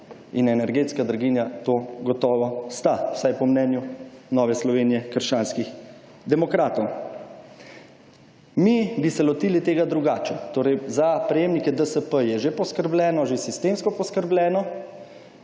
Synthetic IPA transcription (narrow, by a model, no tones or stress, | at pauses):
inɛnɛɾɡeːt̪skad̪ɾaɡiːnjat̪oːɡɔt̪ɔːʋɔst̪aw̥sajpɔmnɛnjunɔːʋɛslɔʋeːnijɛkəɾʃt͡ʃaːnskix | d̪ɛmɔkɾaːt̪ɔw | mibisɛlɔt̪iːlit̪eːɡad̪ɾuɡaːt͡ʃɛt̪oːɾɛjzapɾɛjeːmnikɛd̪əsəpəjɛʒepɔskəɾblʲɛːnɔʒesist̪emskɔpɔskəɾblʲɛːnɔ